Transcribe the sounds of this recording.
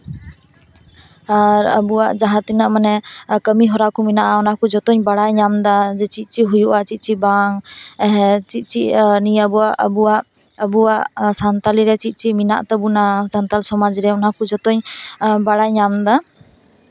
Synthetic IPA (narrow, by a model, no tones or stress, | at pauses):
aɾə̰buwaʔd͡ʒaɦat̪inaʔmanɛkəmiɦɔɾakɔminaʔaɔnakɔd͡ʒɔt̪ɔɲbaɽajɲamd̪ad͡ʒɛt͡ʃit̪̚ˀt͡ʃiɦujuʔat͡ʃit̪̚ˀt͡ʃibaŋɛɦɛt͡ʃit̪̚ˀt͡ʃiʔnijabuwaʔʔəbuwaʔ | əbuwaʔsant̪aliɾɛt͡ʃit̪̚ˀt͡ʃimina̰ʔt̪ɔbunasant̪alsɔmad͡ʒɾɛɔnakud͡ʒɔt̪ɔɲbaɽajɲamd̪a